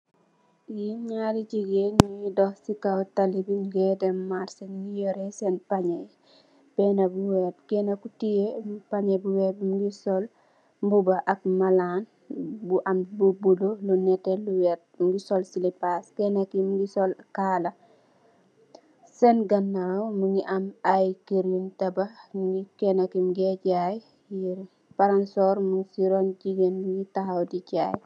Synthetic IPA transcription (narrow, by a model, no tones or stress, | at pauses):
ɲaɾid͡ʒiɡenidɔhsikawtalibinɡɛdɛmaɾsɛnŋijɔɾɛsɛnpaɲɛj | b̥ɛnɐbuwɛt̚kɛnɐkutijepaɲɛbuwɛbmɡisɔl | mbubaʔɐk̚malan | buʔambubulolunɛtɛluwɛt̚mɡisɔlsilipaskɛnakimuɡisɔlkaːlɐ | sɛnɡɐnːawmuŋiʔɐmajkiɾuntɐbɐmuŋikɛnɐkimɡɛɟaj | jiɾ | pɐɾansɔɾmuŋsiɾɔnd͡ʒiɡenmuŋɡitahawdiɟaːj